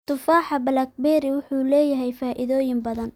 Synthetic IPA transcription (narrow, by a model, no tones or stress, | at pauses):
t̪ʰʊfaːħɑbɐlɐk̚bɛɾɪwʊħuːlɛːjɐɦɛjfaːʔɪðɔːjɪmbɐðɐn